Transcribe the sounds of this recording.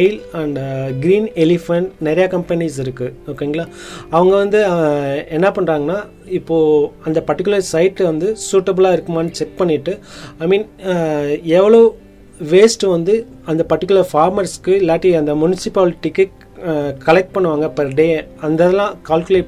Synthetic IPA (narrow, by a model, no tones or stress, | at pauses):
ɪlɐɳɖɡɪɾiːnɛlɪfɐɳʈnɛɾɐjɐkɐmpɐnis̬ɪɾɯkːɯɔkːeːŋɡɐɭaː | ɐʋɐŋɡɐʋɐnd̪ɯɛnːɐpɐɳːɾaːŋɡɐnːaː | ɪpːoːɐnd̪ɐpɐɾʈːɪkːʊlɐɾsɐɪʈːʋɐnd̪ɯsuːʈɐbɯlaːɪɾɯkːɯmaːnːɯt͡ʃɛk̚pɐɳːɪʈːɯaːɪmiːn | ɛʋːɐɭoː | ʋeːsʈɯʋɐnd̪ɯ | ɐnd̪ɐpɐɾʈːɪkːʊlɐɾfaːɾmɐɾskːɯɛlːaːʈːɾiɐnd̪ɐmʊnɪsɪpaːlʈɪkːɛʈ | kɐlɛk̚ʈ̚pɐɳːɯʋaːŋɡɐpɐɾɖeːɐnd̪ɐðɐlãːkaːlkɯleːʈ